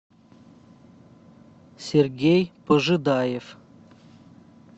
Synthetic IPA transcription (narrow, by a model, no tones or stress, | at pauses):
sʲerɡʲejpəʐɨd̪ajef